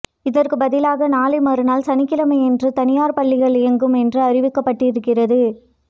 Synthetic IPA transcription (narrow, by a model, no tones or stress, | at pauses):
ɪðɐrkɯbɐðɪlaːɣɐnaːlɐɪmaːɾɯnaːlsɐnɪkːɪlɐmɐɪɛndrɯt̪ɐnɪjaːɾpɐɭːɪɣɐɭɪjɐŋɡɯmɛndrɯɐrɪʋɪkːɐpːɐʈːɪɾɯkːɪrɐðɯ